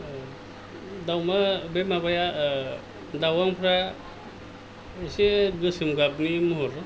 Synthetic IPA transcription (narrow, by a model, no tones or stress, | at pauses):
d̪awmabemabaja | d̪awaŋpʰɾa | eseɡɯsɯmɡabnimuɦɔɾ